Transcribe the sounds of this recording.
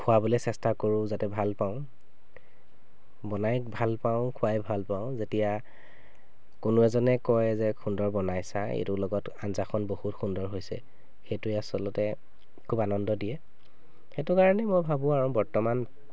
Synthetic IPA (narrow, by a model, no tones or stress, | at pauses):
kʰʊwabolɛsɛstakoɹʊ̃zatɛbʱalpaʊ̃ | bɔnajkbʱalpaʊ̃kʰʊwajbʱalpaʊ̃zetija | konʊɛzɔnɛkɔjzɛkʰundɔɹbɔnajsaḛtʊlɔɡɔt | a̰nzakʰɔnbohutxundɔɹɦojsɛ̰ | xejtuɛasɔlɔtɛ | kʰubanɔndɔdijɛ | xetʊkaɹɔnɛmojbʱabʊ̃aɹɔ̃bɔɹtɔman